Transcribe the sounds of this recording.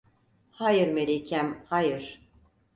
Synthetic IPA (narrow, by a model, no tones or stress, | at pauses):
hajɯɾmeɾicʰæmhajɯɾ̥